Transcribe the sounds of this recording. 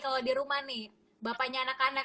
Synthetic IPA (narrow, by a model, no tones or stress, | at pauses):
kaladiɾumahnɪh | bapaɲaːnakanak